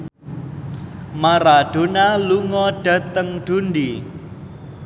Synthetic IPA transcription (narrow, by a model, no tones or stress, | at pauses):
maɾaɖ̥o̤naluŋɔɖ̥ä̤t̪əŋɖ̪̥ṳnɖi